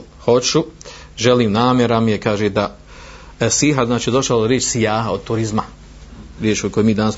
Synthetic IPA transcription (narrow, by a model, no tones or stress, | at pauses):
ho̞t͡ʃu | ʒeliːmnaːmje̞ɾamijekaːʒed̪a | siɦaznaːt͡ʃiːd̪o̞ʃaloɾjeːt͡ʃsijaːɦao̞d̪̚t̪uɾizma | ɾjeːt͡ʃokoemiːd̪anas